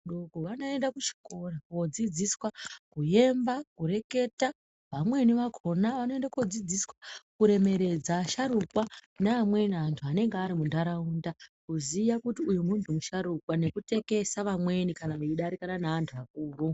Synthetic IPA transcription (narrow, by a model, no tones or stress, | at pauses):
ɗoɡʱoʋano̞e̞ndakut͡ʃi̥ko̞rawod͡zid͡ziswakuje̞mbakuɾe̞ke̞ta | ʋamwe̞niʋakʰo̞naʋano̞e̞ndakuod͡zid͡ziswakuɾe̞me̞ɾe̞d͡zaʃaɾukwanaːmwe̞naantʰuane̞ŋɡeaɾimundaɾaundakuzijakutiujumuntʰumuʃaɾukwane̞kute̞ke̞saʋamwe̞nikanaʋeiɗaɾikananaʋantʰuʋak̚uːru